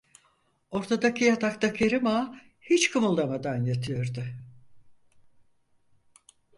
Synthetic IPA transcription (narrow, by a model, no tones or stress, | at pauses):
o̞ɾt̪ʰad̪acʰijat̪ʰak̚t̪akʰeɾɯma | hit͡ʃkʰɯmulˠːamad̪anjat̪ʰɯjoɾd̪ʊ